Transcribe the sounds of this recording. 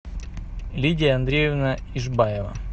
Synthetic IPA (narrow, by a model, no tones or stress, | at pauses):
lʲidʲɪjəɐnd̪ɾʲejɪvnəiʐbajɪvə̰